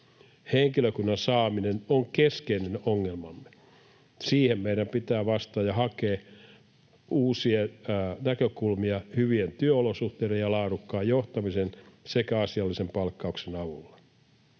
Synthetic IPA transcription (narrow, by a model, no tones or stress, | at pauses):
heŋkiløkunːɑnsɑːminenoŋkeskeinenoŋːelmɑ̰mːe | siːhemmeiɾæmpit̪æːʋɑst̪ɑːjɑhɑkeː | uːsienækøkulmiɑhyʋient̪yøolosuht̪eːɾejjɑlɑːɾukːɑːjjoht̪ɑmisensekæɑsiɑlːisempɑlkːɑuksenɑʋulːɑ